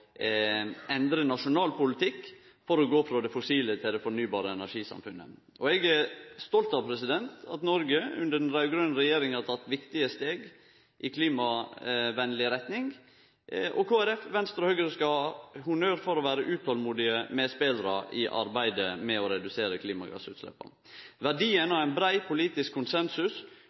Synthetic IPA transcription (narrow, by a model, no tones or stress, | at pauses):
ɛnd̪ɾənɑʂʊnɑːlpʊlɪt̪ʰɪkː | fɔɾɔɡoːfɾɑːd̪ɛfʊsiːlət̪ʰɪld̪ɛfɔɳyːbɑːɾəɛnæʂiːsɑ̰mfʉnːə̰ | ʔɔɛɡæst̪ɔlt̪ɑʋpʰɾɛsɪd̪ɛnt̪ɑt̪nɔɾɡəʉ̰nd̪əɖɛnɾɑʉɡɾœnɾɛjeːɾɪŋhɑt̪ʰɑt̪ːʋɪkt̪ɪəst̪eːɡ | ʔɪkʰliːmɑʋɛnːlɪɾɛt̪nɪŋ | ʔɔkʰoːæɾɛfʋɛnst̪ɾɔhœɡəɾskɑhʊnøːɾfɔɾɔʋæːɾəʔʉːt̪hɔlmuːd̪ɪəmɛspeːlɾɑ̰ʔɪʔɑ̰ɾbæɪd̪əmɛɔɾɛd̪ʉseːɾəkʰliːmɑ̰ɡɑ̰sʉ̰ːt̪slɛ̰pːə̰ | ʋæɖiːənɑʋæɪnbɾæɪpʰʊliːt̪ɪskʰːʊnsɛnsʉs